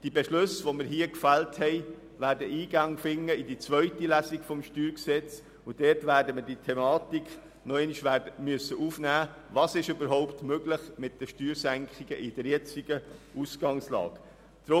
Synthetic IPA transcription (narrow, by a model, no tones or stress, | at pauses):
d̥ibɛʃlʉsʋoməɾɦiəkfælthɛɪ | væːɾdəʔiːɡɑŋfɪŋːəɪdit͡svœʏtilæsiɡfɔmʃtyːɾksɛt͡s | ʊd̥ɛːɾtvæːɾdəməd̥itʰɛmɑːtikχ | nɔɛɪniʃʋæːdəmyəsːəʔuːfnæːvɑːsɪʃøbəɾɦɔʊptmøɡlɪχmɪt̚d̥əʃtyːɾsæŋkχiɡ̥əʔɪd̥əɾjɛt͡siɡ̥əʔusɡ̥ɑŋslɑ̰ːɡ̥ | d̥ɾʊ